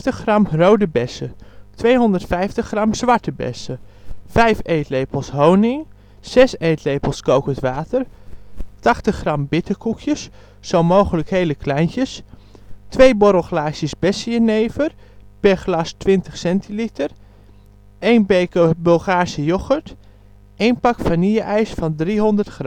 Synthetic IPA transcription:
təχrɑmrowdəbɛsətʋejɦʊndəɹtfɛjftəχrɑmsʋɑɹtəbɛ̰səfɛjfejtlejpəlˠsɦownɪŋ | sɛsejtlejpəlˠskowkətʋaːtər | tɑχtəχrɑmbɪtəkukʰjəsː | owmowχələkhejləkʰlɛjncəs | tʋejbɔɾəlˠxlaːʃjəsbɛsjəneːvər | pɛχlɑstʋɪntəχsɛntʰilitər | ʔejnbejkəbɵlˠχaːɹsəjoχəɹt | ʔejnpɑkfaniəʔɛjsfɑndriɦondərtχrm

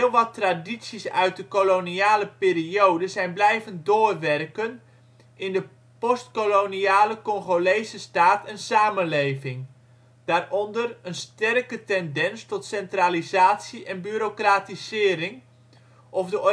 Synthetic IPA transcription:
ɪlˠʋɑtraditsisœɥt̚dəkoloniaːləpɪːriowdəzɛjnblɛjvəndoːrʋɛrkən | ʔɪndə | pɔstkoloniaːləkɔŋχolejsəstaːtʰɛnsaːmənlejvɪŋ | d̥aːrʔɔndərənstɛrkətɛndɛnstɔtsɛntralizaːtsiʔɛnbyɾokraːtizɪːɾɪŋ | ʔɔfdə

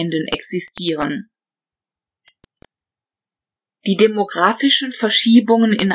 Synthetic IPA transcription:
ndənʔɛ̰ksɪstʰiːʁ̞ən | d̥iːdemoɡʁaːfɪʃən̩fɛɐʃiːbʊŋənɪ̰n

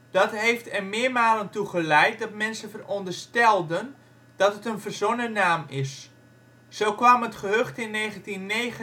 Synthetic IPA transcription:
d̥ɑtɦejftɛrmɪːəɹmaːləntuχəlɛjt̚dɔtmɛnsənvərɔndərstɛlˠdən | d̥ɑtətənvərzonənaːmɪsː | owkʋamɦətχəɦøχtɪnːeːχəntinːeːɣə

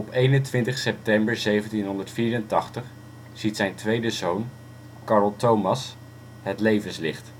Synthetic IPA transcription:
ɔpejnəntʋɪntəχsɛp̚tɛmbəɹzejvəntinɦɔndəɹtfiːɹəntɑχtəχ | z̥itsɛjntʋejdəzown | kɑːɹəlˠtowmɑs | ɦətlejvənslɪχt

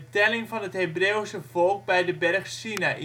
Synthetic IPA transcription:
tɛlɪŋfɑnəthebreːwsəvɔlˠk̚bɛjdəbɛrχsinaʔi

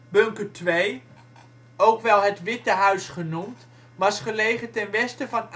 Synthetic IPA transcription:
bøŋkətʋej | owkʋɛlˠɦətʋɪtəɦœɥsχənumt | ʋɑsχəlejχətɛnʋɛstəvɑn

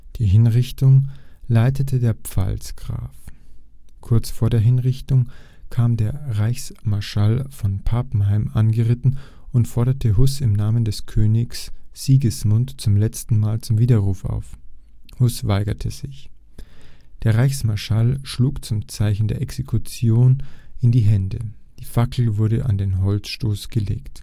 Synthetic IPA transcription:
d̥iːɦɪnʁɪçtʊŋlaɪtʰətʰədeːɐpp͡fa̰lsɡ̥ʁa̰ːf | kʰʊɐt͡sfoːɐdeːɐɦɪnʁɪçtʊŋ | kʰaːmdeːɐʁaɪçsmaɐʃalfɔnpʰaːpn̩haɪmʔanɡəʁɪtn̩ | ʊntfɔɐɾɐtʰəɦʊsɪmnaːməndɛskʰøːnɪçsz̥iːɡəsmʊntt͡sʊmlɛt͡stn̩maːlt͡sʊmviːdɐʁuːfa̰ʊf | hʊsv̥aɪɡɐtʰəz̥ɪç | d̥eːɐʁaɪçsmaɐʃalʃluːkt͡sʊmt͡saɪçn̩deːɐʔɛksekʰʊt͡sjoːnɪndiːɦɛndəd̥iːfakl̩vʊɐɾəʔa̰ndeːnɦɔlt͡sʃtoːsɡ̥əlḛːkt

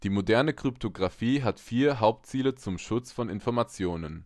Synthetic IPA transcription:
d̥iːmodɛɐnəkʁ̥ʏptʰoɡʁafiːɦatfiːɐɦaʊp̚tt͡siːlət͡sʊmʃʊt͡sfɔnɪnfɔɐmat͡sjoːnən

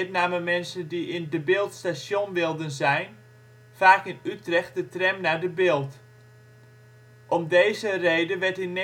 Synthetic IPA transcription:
tnaːməmɛnsəndiɪndəbɪːlˠtstasjonʋɪlˠdənzɛjn | faːkɪnytrɛxt̚dətrɛmnadəbɪːlˠt | ʔɔmdeːzərejdəʋɛrtɪn

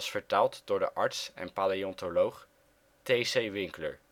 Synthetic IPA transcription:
sfəɹtaːlˠtd̥ʊːɹdə̰ʔɑɹtsɛ̰npaːliɔntolowχ | tejsejʋɪŋklə̰ɹ

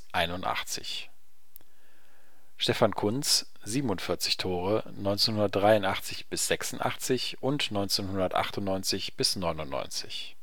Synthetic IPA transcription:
ʔaɪnʊnta̰χt͡sɪ̰ç | ʃtɛfankʰʊnt͡s | z̥iːbm̩ʊntfɪɐt͡sɪçtʰoːʁənɔʏnt͡seːnhʊndɐt̚d̥ʁaɪʊntʔaχt͡sɪçb̥ɪsz̥ɛksʊn̩a̰χt͡sɪçʔʊntnɔʏnt͡seːnhʊndɐtʔa̰χtʊnnɔʏnt͡sɪçb̥ɪsnɔʏnʊnːɔ̰ʏnt͡sɪç

